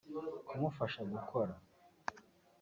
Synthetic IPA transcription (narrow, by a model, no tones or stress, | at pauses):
kʰumufaʃaɡukʰo̞ɾa